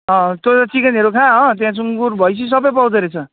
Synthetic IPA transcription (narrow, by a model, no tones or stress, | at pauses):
ɦʌ̃t̪ot̪ʌʈʰikʌneɾokʰãɦʌ̃t̪jãt͡suŋɡuɾbʱʌjsʰis̬ʌbʌjpʌwd͡zʌɾet͡sʰʌ